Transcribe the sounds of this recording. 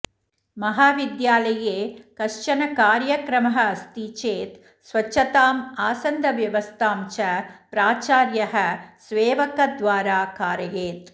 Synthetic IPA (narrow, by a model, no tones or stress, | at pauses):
mɐɦaːʋid̪jaːlɐjeːkɐʂt͡ʃɐnɐkaːɾjɐkɾɐmɐɦɐɐst̪it͡ʃeːt̪ | sʋɐt͡ʃːɐt̪aːmaːsɐnd̪ʱɐʋjɐʋɐst̪ʰaːmt͡ʃɐpɾaːt͡ʃaːɾjɐɦɐsʋeːʋɐkɐd̪ʋaːɾaːkaːɾɐjeːt̪